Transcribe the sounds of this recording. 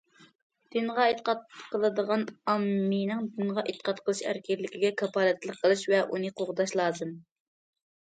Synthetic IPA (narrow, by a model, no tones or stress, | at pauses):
d̪̥ɨnʁɑet̪ə̥qɑt̪̚qʰəlˠɨd̪əʁɑnɑmːɨnɨŋd̪ɨnʁɑʔet̪ʰːə̥qʰɑt̪qʰəlˠɨʃæ̰ɾkʲʰɛllːɪkʲiɡʲɛkʰɑpɑlɛt̪lˠəqʰːəlˠɨʃvɛʔunɨqʰoʁd̪ɑʃlˠɑːzɨm